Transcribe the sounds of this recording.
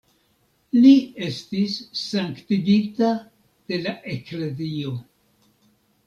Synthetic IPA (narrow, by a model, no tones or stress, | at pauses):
lie̞stisːaŋktiɡita | d̥e̞laʔe̞kle̞zio̞